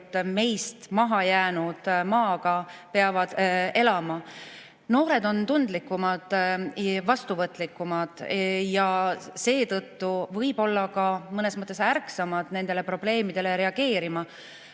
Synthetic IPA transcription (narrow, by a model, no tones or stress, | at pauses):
t̪ːme̞jst̪mɑɦɑjæːnud̪̥mɑːɡ̥ɑpe̞ɑvɑd̪̥e̞lɑmɑ | noːɾe̞d̪o̞nt̪und̪likːˑumɑd̪̥ | vɑst̪uvɤt̪ːˑlikːˑumɑd̪̥jɑse̞ːt̪ɤt̪ːuvɤjb̥o̞lːɑkɑmɤne̞smɤt̪ːˑe̞særksɑmɑd̪̥ne̞nd̪̥e̞le̞pro̞b̥le̞ːmid̪̥e̞le̞ɾe̞ɑɡe̞ːɾimɑ